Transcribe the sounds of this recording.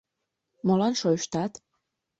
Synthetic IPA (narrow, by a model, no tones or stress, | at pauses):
molɑnʃojʃt̪ɑt̪